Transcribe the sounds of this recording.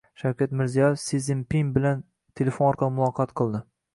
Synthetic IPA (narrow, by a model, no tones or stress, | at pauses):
ʃawkʲat̪mɪɾzijɒjefsizɪmpiŋbɪlan | t̪ʰelʲefonɒɾqʰɑlˠɪmʊlˠɒqʰɑt̪qʰɨlˠd̪ɪ